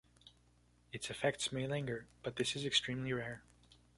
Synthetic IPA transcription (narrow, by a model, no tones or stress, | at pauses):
ɨtsɨfɛk̚tsmeɪlæ̃ŋɡə˞b̥ʌt̪̚ðɪsɨzɨkstʰɹ̥ĩmliɹɛɹ